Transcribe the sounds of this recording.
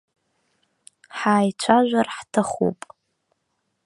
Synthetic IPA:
ħaːjt͡ʃʷʰaʒᶣʷarħtʰaχṵpʼ

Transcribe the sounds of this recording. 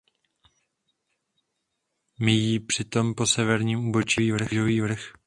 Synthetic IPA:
mɪjiːpr̝̥ɪt̪o̞mpo̞sɛvɛɾɲiːmubot͡ʃɪviːvr̩ʒoviːvr̩x

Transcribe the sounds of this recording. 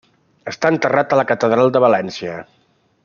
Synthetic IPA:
əst̪aənt̪ərat̪ələkət̪əðɾalˠd̪əβ̞əlɛnsiə

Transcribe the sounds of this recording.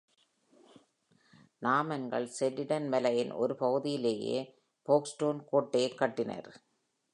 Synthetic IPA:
naːmɐnɡɐ̰ɭsɛlːɪɽɐnmɛlɐjɪnʔɔ̰ɾɯpɐɣɯðɪjɪleːjḛː | poːksʈoːnkoːʈːeːkːɐʈːɪnɐ̰ɾ

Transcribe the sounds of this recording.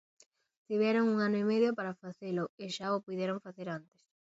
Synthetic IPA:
t̪iβjɛɾoŋuŋanʊimeðjopaɾafaθelʊeʃaopuðɛɾoŋfaθeɾant̪e̥s

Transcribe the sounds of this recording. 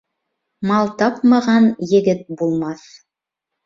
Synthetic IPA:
mɑlˠt̪ɑpmɑʁɑnjɘ̆ɡɘt̪̚bulˠmɑθ

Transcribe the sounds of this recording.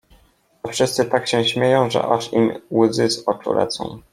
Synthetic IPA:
ɔfʂɘst̪sɘt̪akɕɛɕmʲjejɔ̃w̃ʐɛ̰ʔaʂimwzɘzɔt͡ʂṵlɛ̰t̪sɔ̰̃w̃

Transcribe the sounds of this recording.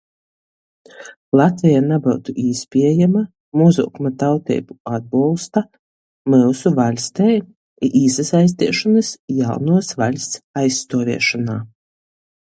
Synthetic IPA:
lˠat̪vʲijanabawt̪uʔiːspʲiɛjama | muzṵkumat̪awt̪ɛ̰ːjbuad̪̚bulˠst̪a | mɨlsuvalʲst̪ɛj | ʔiːsasajs̬t̪ʲiɛʃɔnɨsjawnuɔsvalʲst̪sajsːt̪uɔvʲḭɛʃanaː

